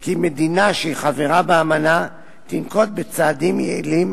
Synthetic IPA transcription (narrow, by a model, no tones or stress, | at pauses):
kime̞d̪inaʃeiχave̞ʁabeamana | t̪inko̞t̪̚bet͡saːd̪imjḛḭlim